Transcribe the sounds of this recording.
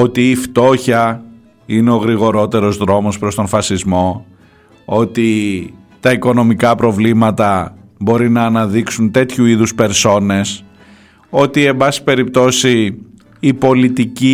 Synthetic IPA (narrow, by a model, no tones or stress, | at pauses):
o̞t̪iːft̪o̞çɐ | ineo̞ɣɾiɣo̞ɾo̞t̪e̞ɾo̞zðɾo̞mo̞spɾo̞st̪o̞nfɐsizmo̞ | ot̪i | t̪ɐiko̞no̞mikɐpɾo̞vlimɐt̪ɐbo̞ɾinɐːnɐðiksunt̪e̞t̪çuiðuspe̞ɾso̞ne̞s | o̞t̪ie̞mbɐsi̥pe̞ɾip̚t̪o̞siː | po̞lit̪ici